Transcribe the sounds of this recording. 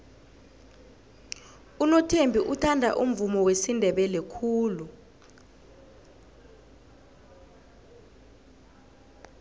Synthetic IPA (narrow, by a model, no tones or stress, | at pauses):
unɔtʰembʱiʔutʰandʱa̰ʔum̩vumɔwesindʱɛɓɛlɛkʰuːlu